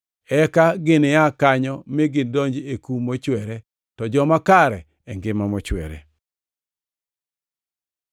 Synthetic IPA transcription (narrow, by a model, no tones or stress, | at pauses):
ɛkaɡɪnɪjakaɲɔmeɡɪndɔɲd͡ʒekumot͡ʃwɛɾɛ | tɔd͡ʒɔmakaɾɛ | ɛŋɡɪmamɔt͡ʃwɛ̰ɾɛ̰